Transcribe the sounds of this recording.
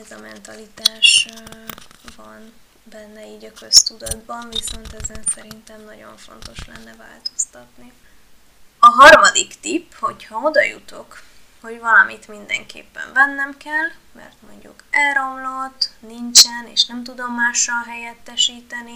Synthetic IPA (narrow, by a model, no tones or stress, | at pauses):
ɛzɒmɛnt̪ɒlit̪aːʃ | vɒn | bɛnːɛiːɟɒkøst̪ud̪ɒd̪bɒɱviso̞nt̪ɛzɛnsɛɾint̪ɛmnɒɟo̞̰ɱfo̞̰nt̪o̞ʃlɛ̰nːɛva̰ːlt̪o̞̥st̪ɒt̪ni | ɒɦɒrmɒd̪ikt̪ipːho̞chɒo̞d̪ɒjut̪o̞kho̞ɟvɒlɒmit̪mind̪ɛ̰ŋkḛːpːɛ̰ɱvɛnːɛmkɛlːmɛ̰rt̪mo̞ɲɟṵkɛlro̞mlo̞t̪ːniɲt͡ʃɛneːʃnɛmt̪ud̪o̞mːaːʃːɒlɦɛjɛt̪ːɛʃiːt̪ɛni